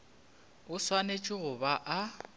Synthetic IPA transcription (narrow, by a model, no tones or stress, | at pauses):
ʊswanet͡ʃʼɪɣʊbaʔa